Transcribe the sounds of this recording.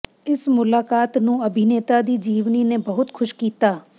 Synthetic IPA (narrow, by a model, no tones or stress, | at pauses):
ɪsmʊlaːkaːt̪nũːɐbʱɪneːt̪ad̪iːd͡ʒiːʋninẽbɐɦʊt̪xʰʊʃkiːt̪aː